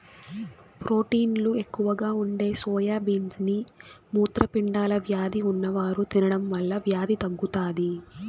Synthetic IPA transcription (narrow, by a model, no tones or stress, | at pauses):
pɾo̞ːʈiːnlue̞kːuʋɐɡaːuɳɖe̞ːsɔːjaːbiːnsnimuːt̪ɾɐpiɳɖaːlɐʋjaːd̪iunːɐʋaːɾut̪inɐɽɐmʋɐɭːɐʋjaːd̪it̪ɐɡːut̪aːd̪i